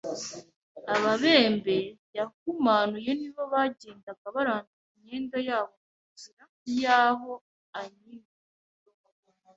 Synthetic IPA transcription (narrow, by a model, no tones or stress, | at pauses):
aβaβe̞ːmbe̞jak̚umaːnujeniβoβaɟeːndaɡaβaɾaːnduiɲe̞ːŋɡajaːβo | uziɾak̚ujaːɦo̞ | aɲini